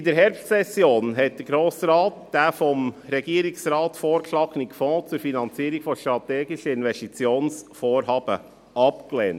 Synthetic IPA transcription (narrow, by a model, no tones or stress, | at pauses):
dəɾɦɛɾpstsɛsjoːnɦɛt̚d̥əɡɾoːsɾɑːtd̥aːfɔmɾɛɡiəɾiksɾɑːtfoːɾkʃlɑːɡnikfɔ̃ːt͡suɾfinɑnt͡siːɾikfɔʃtɾɑtɛːɡɪʃəɪnvɛstit͡sjoːnsfoːɾɦɑːbə | ʔɑpkleːnt